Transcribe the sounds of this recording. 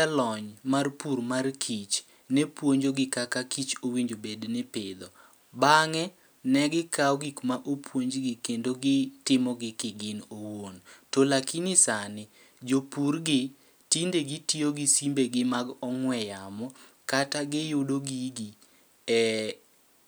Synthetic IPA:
alɔɲmarpurmarkʰit͡ʃ | nɛpwoɲd͡ʒoɡɪkakakit͡ʃowiɲd͡ʒobednɪpɪd̪ɔ | baŋɛ | nɛɡɪkaɔɡikmaʔopʰwoɲd͡ʒɡɪkendoɡɪtɪmɔɡɪkɪɡɪnowontolakinɪsanɪ | d͡ʒopurɡɪ | tindeɡitioɡisimbeɡɪmaɡɔŋwɛjamɔ | kataɡɪjʊdoɡiɡi | ɛ

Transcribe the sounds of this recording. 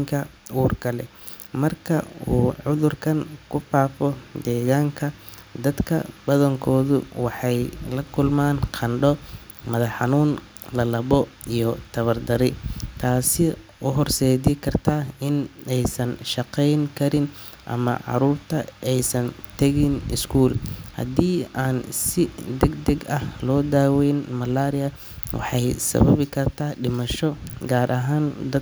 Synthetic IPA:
ŋkʰɐuːrkʰɐlɛ̰ | mɐrkʰɐuːʕʊðʊrkʰɐŋkʰʊfaːfɔd̪ɛːɣaːŋkʰɐ | d̪ɐd̪kʰɐ̰bɐðɐŋkʰɔːðʊwɑħɑjlɐkʰʊlmaːnqʰɑnɖɔ | mɐðɐħɑnuːn | lɐlɐβɔijɔt̪ʰɐβɐrd̪ɐɾɪt̪ʰaːsɪ | ʊɦɔrsɛːðɪkʰɐrt̪ʰaːɪnɛjsɐnʃɑqɛjŋkʰɐɾɪn | ʔɐ̰mɐ̰ʕɑ̰ɾuːrt̪ʰɐʔɛjsɐnt̪ʰɐɣɪnɪskʰuːlhɐ̰d̪iːʔaːnsɪd̪ɛɡd̪ɛɡɐhlɔːd̪aːwɛjnmɐlaːɾɪjɐ | wʔɑ̰ħɑjsɐ̰βɐβɪkʰɐrt̪ʰaːɖɪmɐʃɔɡaːɾʔɐɦaːnd̪ɐ

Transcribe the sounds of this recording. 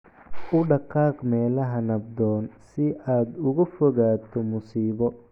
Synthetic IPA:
ʔʊɖɑqɑːqmɛːlɐɦɐnɐb̚d̪ɔːnsɪʔaːd̪ʊɣʊfɔɣaːt̪ʰɔmʊsiːβɔ

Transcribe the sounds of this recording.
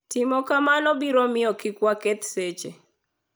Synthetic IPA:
tɪmɔkamanɔbiɾɔmɪɔkɪkwaket̪set͡ʃe

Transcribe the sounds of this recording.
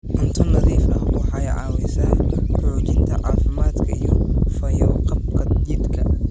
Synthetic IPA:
ʔʊnt̪ʰɐnːɐðiːfɐhwɑħɑɛjʕɑːwɛsaːħoːt͡ʃɪnt̪ʰɐʕɑːfɪmaːd̪kʰɐijɔfɐjɔːqɐbkʰɐd͡ʒɪd̪kʰɐ

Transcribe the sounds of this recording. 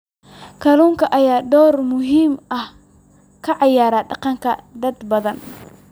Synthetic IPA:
kʰɐluːŋkʰɐʔɐjaːd̪ɔːrmʊɦiːmʔɐh | kʰɐʕɑjaːɾaːɖɑqɑŋkʰɐ̰d̪ɐd̪bɐðɐn

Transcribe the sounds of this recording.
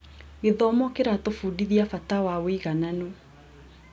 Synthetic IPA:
ɣeðɔːmɔkeɾatofuːdiðiafatawawiɣananu

